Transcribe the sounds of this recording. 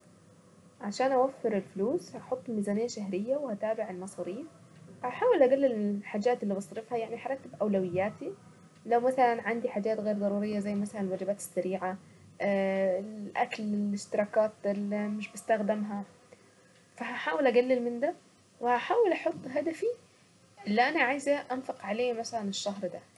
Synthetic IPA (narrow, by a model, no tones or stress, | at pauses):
ʕaʃaːnʔawafːɪɾɪlfluːshaħot̪ˤːlmizaːnɪjːaʃahɾɪjːawɪhat̪aːbɪʕɪlmɑsˤɑːɾiːf | haħaːwɪlʔaɡalːɪlmɪlħaːd͡ʒaːt̪ɪlːiːbɑsˤɾɪfhajaʕnihaɾˤɑt̪ːɪbʔawlawɪjːaːt̪i | lawmaθalanʕand̪iħaːd͡ʒaːt̪ɣeːɾd̪ˤɑɾˤuːɾɪjːazajːmaθalanɪlwad͡ʒɪbaːt̪ɪ̥sːaɾiːʕa | ʔa̰klɪlɪʃt̪ɪɾˤɑːkaːt̪ɪlmɪʃbɪst̪axd̪ɪmɦa | faɦaħaːwɪlʔaɡalːɪlmɪnd̪a | wɪhaħaːwɪlʔɑħʊt̪ˤːɦad̪afi | ʔɪlːiʔanaʕaːjzaʔanfɑqʕaleːmaθalanɪʃːaɦɾd̪a